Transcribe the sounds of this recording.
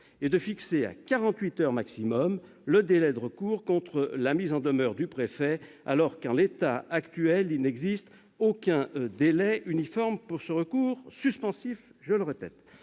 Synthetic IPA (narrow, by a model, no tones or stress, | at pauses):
ed̪əfiksea̰kaʁɑ̃t̪ɥit̪œʁmaksimɔm | ləd̪elɛd̪əʁəkuʁkɔ̃t̪χəlamizɑ̃d̪əmœʁd̪ypχefɛ | a̰lɔʁkɑ̃let̪aakt̪ɥɛlilnɛɡzist̪ | okʲɛ̃d̪elɛynifɔʁmpuʁsəʁəkuʁsyspɑ̃sifʒələʁepɛ̰t̪